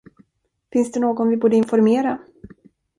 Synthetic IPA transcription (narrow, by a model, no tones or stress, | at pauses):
fɪnsd̪ɛnoːɡɔnvɪbuːɖəɪnfɔɾmeːɾa